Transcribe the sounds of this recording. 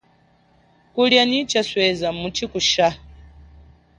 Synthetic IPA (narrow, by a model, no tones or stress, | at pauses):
kuljanit͡ʃaswɛzamut͡ʃikuʃa